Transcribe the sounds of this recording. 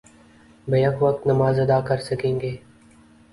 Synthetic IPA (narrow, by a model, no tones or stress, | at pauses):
bɐjɐkʋɐk̚t̪nɐmaːzɐd̪aːkɐɾsɐkẽːŋɡeː